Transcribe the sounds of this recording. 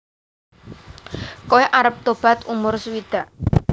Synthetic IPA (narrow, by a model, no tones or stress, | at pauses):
koeʔaɾəp̚t̪ob̥a̤t̪umʊrsuwid̪̥a̤ʔ